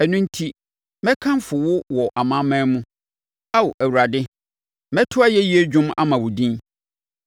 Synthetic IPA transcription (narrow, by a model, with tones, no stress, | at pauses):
ɛ˨nũ˦n̩˦tʰi˦ | mɛ̃˦kʰã˦m˦fʊ˨wʊ˦wɔ˨ʔa˨mã˦mã˦mũ˦ | a˦wʊ˨ʔæ˨wu˨ɾa˨dɪ˦ | mɛ̃˦tʰʊ˦a˦jɛ˦ji˦e˦d͡ʑᶣʊ̃˦ma̰˦mã˨wʊ˨dĩ˦n